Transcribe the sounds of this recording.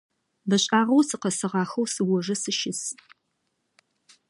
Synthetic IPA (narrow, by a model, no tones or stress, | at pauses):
bɐɕʼaːʁɐwsɨqɐsɨʁɑːxɐwsɨwɔʐɐsɨʃɪs